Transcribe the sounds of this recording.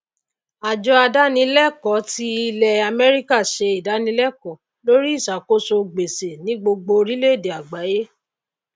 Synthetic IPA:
a˨d͡ʒɔ˧˦a˧da˦nĩ˧˦lɛ˦˨kɔ˨˦ti˧˦i˧lɛ˨a˧mɛ˦ɾi˦ka˦˨ʃe˧i˨da˨˦nĩ˧˦lɛ˦˨kɔ˨˦ | lo˦ɾi˦i˦˨sa˨ko˦so˧ɡ͡be˨se˨nĩ˨˦ɡ͡bo˧ɡ͡bo˧ɾi˦le˦˨de˨a˨ɡ͡ba˨˦je˦

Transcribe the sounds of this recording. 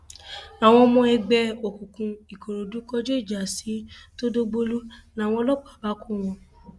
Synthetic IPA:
a˨w̃ɔ̃˧mɔ̃˧ɛ˧ɡ͡bɛ˧o˨ku˨kũ˧i˨ko˨ɾo˨du˨˦kɔ˦d͡ʒo˦i˦˨d͡ʒa˨si˨˦to˦do˦ɡ͡bo˧lu˦nã˨˦˨w̃ɔ̃˧lɔ˦˨k͡pa˨ba˦ku˦˨w̃ɔ̃˧

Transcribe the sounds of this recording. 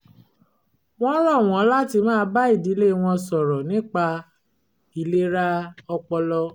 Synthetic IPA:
w̃ɔ̃˦ɾɔ˦˨w̃ɔ̃˨˦la˦ti˧mãː˦ba˦i˦˨di˨˦le˦˧w̃ɔ̃˧sɔ˨ɾɔ˨nĩ˦k͡pa˧ | i˨le˦ɾa˦ɔ˧k͡pɔ˧lɔ˧

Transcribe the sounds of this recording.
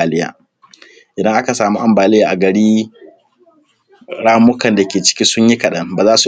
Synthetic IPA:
aː˨lɪ˦ja̰ː˨ | ʔɪ˨dɐ˦ŋʔa˦ka˨saː˨muː˦ʔa˦mbaː˨lɪ˦jaː˨ʔa˨ɡɐ˨ɽiː˦ | ɽaː˦mʊ˦kɐ˨nda˨kʲeː˨t͡ʃɪ̥˦kʲi˦sʊ˦ɲji˦kɐ˨ɗɐ˦ŋbaː˨zaː˦su˨

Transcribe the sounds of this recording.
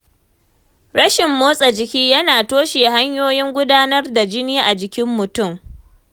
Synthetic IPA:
ɽɐ˦ʃɪ˨mːoː˦sʼɐ˨d͡ʒɪ˨kʲiː˦jɐ˦naː˨toː˦ʃeː˨ha˦ɲjoː˦jɪ˦ŋɡʷʊ˦daː˦nɐ˦rda˨d͡ʒɪ˦niː˦ʔa˨d͡ʒɪ˨kʲɪ˦mːʊ˨tʊ˦˨m

